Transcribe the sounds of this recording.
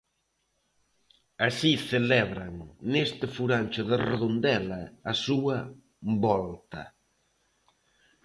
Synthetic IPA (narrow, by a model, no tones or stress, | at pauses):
asiθelɛβɾɐŋnest̪ɪfuɾanʲt͡ʃʊðɪreðond̪ɛlɐːsuɐ | bɔlt̪ɐ